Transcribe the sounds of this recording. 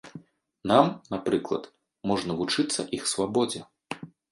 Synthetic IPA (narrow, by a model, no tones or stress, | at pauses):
namnapɾɨklˠɐ̰t̪ | mɔʐnɐvut͡ʂɨt̪sːɐʔixsvabɔd͡zʲɛ